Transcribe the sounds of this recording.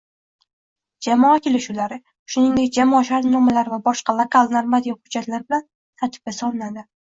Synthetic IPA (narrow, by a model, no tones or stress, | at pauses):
d͡ʒamɒakʲʰe̞lɪʃulaɾɪ | ʃʊnɪŋd̪ek̚ʲd͡ʒamɒːʃaɾt̪nɒmalaɾvabɒʃqɑlˠokʰalˠnaɾmad̪ijɒhʊd͡ʒːat̪laɾbɪlan | t̪ʰaɾt̪ʰɪ̥b̚ɡʲasɒlˠɪnad̪ɪ